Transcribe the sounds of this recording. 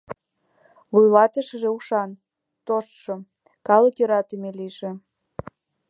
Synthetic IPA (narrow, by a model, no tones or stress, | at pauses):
vujlɑt̪əʃə̆ʒĕuʃɑn | t̪oʃt̪ʃo | kɑləkjøɾɑt̪əmeliʒĕ